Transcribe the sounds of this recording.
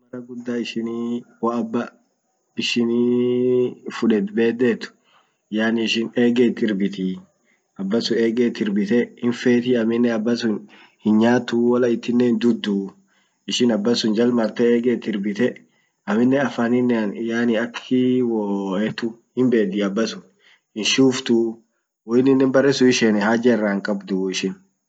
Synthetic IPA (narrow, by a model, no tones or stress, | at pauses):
mɐrɐɡʊd̪ːaːɪʃɪniːwɔɐbːɐ | ɪʃɪni | fʊᶑɛt̪be̞ːd̪ːet̪ːʊ̥ | jaːnɪɪʃɪneːɡeːt̪ːɪɾbɪt̪i | ʔɐbːɐsʊeːɡeːt̪ːɪɾbɪt̪ɛhɪnfeːt̪ɪɐmɪnːɛɐbːɐsʊn | hɪnɲaːt̪ːuwɐlɐɪt̪ːɪnːeːnd̪ʊd̪ːu | ɪʃɪnɐbːɐsʊnd͡ʒɐlmɐɾt̪ɛeːɡeːt̪ːɪɾbɪt̪ɛ | ɐmɪnːɛɐfanɪnːnjaːnɪɐkʰːɪwɔɛt̪ʊhɪmbeːd̪iɐbːɐsʊn | hɪnʃuːft̪ʊ | wɔɪnːɪnːɛmbɐrɛsʊɪʃɛnɛhaːd͡ʒɛɛrːaːŋkʼɐbd̪ʊɪʃɪn